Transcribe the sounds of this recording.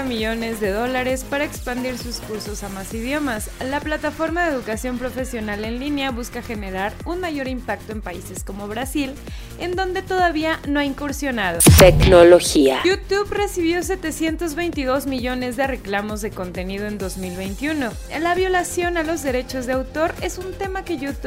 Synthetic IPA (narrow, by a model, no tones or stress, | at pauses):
amiʝo̞ne̞zðe̞ðo̞laɾe̞spaɾaekspand̪iɾsuskuɾso̞samasiðjo̞maslaplat̪afo̞ɾmaðeeðukasjo̞mpɾo̞fe̞sjo̞nale̞nlineaβuskaxe̞ne̞ɾaɾunmaʝo̞ɾimpak̚t̪o̞e̞mpaise̞sko̞mo̞βɾasil | e̞nd̪o̞nd̪e̞t̪o̞ðaβianoaiŋkoɾsjo̞naðot̪eknoloxiaut̪uβre̞siβjo̞s̬e̞t̪e̞sje̞nt̪o̞zβe̞jnt̪iðo̞zmiʝo̞ne̞zðere̞klamo̞zðe̞ko̞nt̪e̞nið̞o̞end̪o̞zmilβe̞jnt̪juno̞ | laβjo̞lasjo̞nalo̞zðe̞ɾe̞t͡ʃo̞zðe̞awt̪o̞ɾe̞sunt̪e̞make̞ʝut̪u